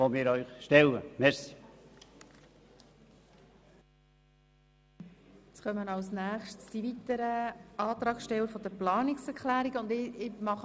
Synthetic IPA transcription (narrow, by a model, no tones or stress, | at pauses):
omɪːɾœʏχʃtɛlə̰mɛɾsi | t͡sχœmənɑlsnæːχʃtsd̥ivit̪əɾəɑːt̪ɾɑːksʃtɛwəɾfɔd̪əplɑːniksɛɾklæːɾiɡəʊndɪɪmɑχ